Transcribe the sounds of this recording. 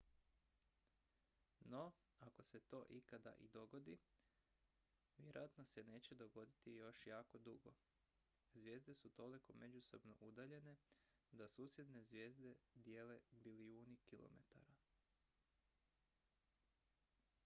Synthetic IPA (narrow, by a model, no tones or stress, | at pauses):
no | ako̞se̞t̪o̞ːʔikad̪a̰ʔḭd̪o̞ɡo̞d̪i | ʋʲjeɾojat̪nose̞ne̞ːt͡ɕe̞d̪o̞ɡo̞d̪it̪ijo̞ʃjaːko̞d̪uɡo̞̰ | zʋje̞ːzd̪e̞sut̪o̞liko̞me̞d͡ʑuso̞bno̞̰ʔud̪aʎe̞ne̞ | d̪asuːsje̞d̪ne̞zʋje̞ːzd̪e̞d̪je̞ːle̞biliuːnikilˠo̰me̞̰t̪a̰ɾa